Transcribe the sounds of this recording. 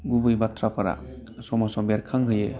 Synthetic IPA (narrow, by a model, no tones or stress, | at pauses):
ɡubɯjbatʰɾapʰaɾa̰ | sɔmasɔbeɾkʰaŋɦɯjḛ